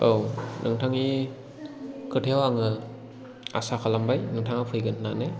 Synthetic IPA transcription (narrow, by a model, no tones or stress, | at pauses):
ownʔɯŋtʰaŋi | kɯtʰewaŋɯ | a̰sakʰalambajnɯŋtʰaŋapʰɯjɡɯnnane